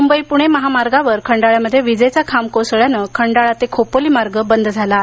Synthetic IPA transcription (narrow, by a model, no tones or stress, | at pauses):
mumbəipuɽ̃eməɦamaɾɡaʋəɾkʰəɳɖaɭjaməd̪ʱːjeʋid͡zəjt͡sakʰamkosəɭjanəkʰəɳɖaɭat̪ekʰopoliːmaɾɡəbənd̪ʱd͡zʱala